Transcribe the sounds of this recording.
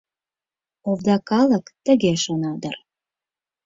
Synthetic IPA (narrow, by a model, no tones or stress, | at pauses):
ovd̪ɑkɑləkt̪ə̆ɣeʃonɑd̪ə̰r